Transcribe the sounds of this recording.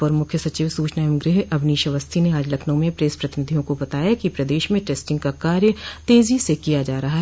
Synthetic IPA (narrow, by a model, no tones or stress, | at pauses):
pɐɾmʊkʰjəsɐt͡ʃiːʋsuːt͡ʃnaːjəmɡɾɪɦɐbniːʃɐʋəst̪ʰineaːd͡ʒlɐkʰnə̃mẽpɾeːspɾɐt̪ɪnɪd̪ʱijõkobɐt̪aːjakipɾɐd̪eːʃmẽʈeːsʈɪ̃ŋɡ̚kakaːɾjət̪eːzisekijad͡ʒaːɾɐɦaɦɛ